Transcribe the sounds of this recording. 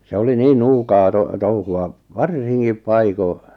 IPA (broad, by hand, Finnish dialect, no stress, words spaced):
se oli niːn nuːkɑː to touhuɑ ʋɑrsiŋkip pɑiko